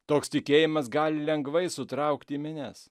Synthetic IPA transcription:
t̪oːkst̪ʲɪkʲeːjɪmɐs̬ɡɑːlʲɪlʲɛŋɡʋɐɪsʊt̪ɾɐˑʊkt̪ʲiːmʲɪnʲɛs

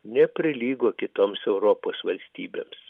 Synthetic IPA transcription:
nʲɛpʲɾʲɪlʲiːɡoːkʲɪt̪oːmsɛʊɾoːpoːsʋɐlʲsʲt̪ʲiːbʲḛːms

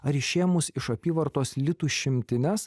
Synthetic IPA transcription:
ɐɾɪʃʲeːɛmʊsɪʃɐpʲiːʋɐɾt̪oːslʲɪt̪uːʃʲɪmʲt̪ʲɪnʲɛs

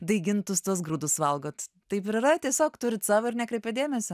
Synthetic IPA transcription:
d̪ɐɪɡʲɪnt̪ʊst̪uɔsɡɾuːd̪ʊsʋɐlˠɡoːt̪ | t̪ɐɪpɪɾɐɾɐtʲiɛsʲoːkt̪ʊɾʲɪt̪sɑːʋoɪɾnʲɛkɾʲɛɪpʲɛd̪ʲeːmʲɛsʲɪ

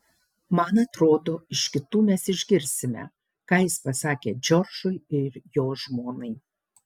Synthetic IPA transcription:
mɐnɐt̪ɾoːd̪oːɪʃʲkʲɪt̪uːmʲɛsɪʒʲɡʲɪɾʲsʲɪmʲɛ̰ | kɑːjɪspɐsɑːkʲeːd͡ʒʲɔɾʒʊɪɪɾjoːʒmoːnɐɪ

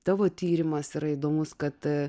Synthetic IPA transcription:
t̪ɑːʋoːt̪ʲiːɾʲɪmɐsiɾɐid̪oːmʊskɐt̪

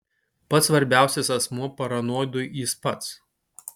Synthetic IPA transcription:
pɐt̪sʋɐɾʲbʲæˑʊsʲɪsɐsmuɔpɐɾɐnuɔd̪ʊiˑspɐt̪s

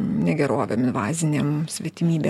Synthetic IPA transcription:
nʲɛɡʲɛɾoːʋʲɛmɪnʋɑːzʲɪnʲeːmsʲʋʲiːt̪ʲɪmʲiːbʲeː

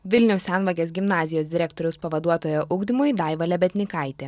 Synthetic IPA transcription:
ʋʲɪlʲnʲɛʊsʲæˑnʋɐɡʲeːsɡʲɪmnɑːzʲɪjoːsd̪ʲɪɾʲæːkt̪oɾʲɛʊspɐʋɐd̪uɔt̪oːjoʔʊɡd̪ʲɪmʊjd̪ɑˑɪʋɐlʲɛbʲɛt̪ʲnʲɪkɑˑɪt̪ʲɛ

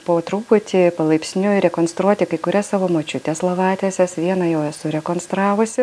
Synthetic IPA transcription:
poːt̪ɾuːpʊt̪ʲɪpɐlˠɐɪpʲsʲnʲʊɾʲɛkoːnst̪ɾuɔt̪ʲɪkɐɪkʊɾʲɛssɑːʋoːmoːt͡ʃʲʊt̪ʲɛslˠɐʋɑːt̪ʲesʲɛsʋʲiɛnɐjɛʊɛsʊɾʲɛkoːnst̪ɾɑːʋʊsʲɪ

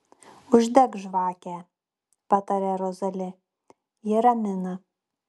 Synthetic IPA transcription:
ʊʒʲd̪ʲɛkʒʋɑːkʲɛː | pɑt̪ɐɾʲɛɾɔzɐlʲɪ | jɪɾɐmʲɪnɐ

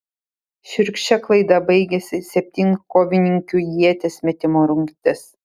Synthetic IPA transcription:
ʃʲʊɾʲkʲʃʲɛklˠɐɪd̪ɐbɐɪɡʲɛsʲɪsʲɛpʲt̪ʲiːŋkoːʋʲɪnʲɪŋʲkʲujiɛt̪ʲesmʲɛt̪ʲɪmoːɾʊŋʲkt̪ʲɪs

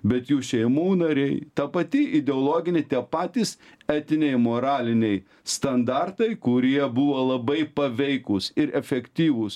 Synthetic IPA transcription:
bʲɛt̪juːʃʲɛɪmuːnɐɾʲɛɪt̪ɐpɐt̪ʲɪɪd̪ʲɛoːlˠoːɡʲɪnʲɪt̪ʲiɛpɑːt̪ʲiːsæːt̪ʲɪnʲɛɪmoːɾɑːlʲɪnʲɛɪ | st̪ɐnd̪ɑrt̪ɐɪkʊɾʲiɛbuʋoːlˠɐbɐɪpɐʋʲɛɪkʊsɪɾɛfʲɛkt̪ʲiːʋʊs

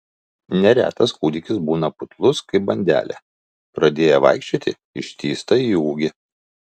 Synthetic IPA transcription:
nʲɛɾʲæ̰ːt̪ɐskuːd̪ʲɪkʲɪsbuːnɐpʊt̪lˠʊskɐɪp̚bɐnʲd̪ʲæ̰ːlʲæ̰ | pɾɐd̪ʲeːjɛʋɐ̰ˑɪkʃʲt͡ʃʲot̪ʲɪ | ɪʃʲt̪ʲiːst̪ɐiːuːɡʲɪ

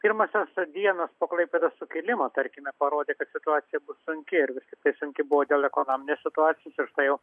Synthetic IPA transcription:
pʲiɾmɐsʲosd̪ʲiɛnɐspoːklˠɐɪpʲeːd̪osʊkʲilʲɪmot̪ɐɾʲkʲɪmʲɛpɐɾoːd̪ʲeːkɐt̪sʲɪt̪ʊɑːsʲɪjɛbʊssʊŋʲkʲɪɪɾʋʲɪsʲtʲɪk̚t̪ɐɪsʊŋʲkʲɪbʊʋoːd̪ʲeːlˠɛkonoːmʲɪnʲeːssʲɪt̪ʊɑːtsʲɪjoːsɪrʃt̪ɐɪjɛʊ

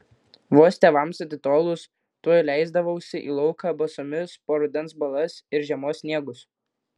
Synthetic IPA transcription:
ʋoːsʲt̪ʲeːʋɐmsɐt̪ʲɪt̪oːlˠʊs | t̪uɔjlʲæˑɪzd̪ɐʋɐʊsʲɪʔḭːlˠɔʊkɑːbɐsoːmʲɪspoːɾʊd̪ʲɛnsbɐlˠɐsɪɾʒʲɛmoːssʲnʲiɛɡʊs

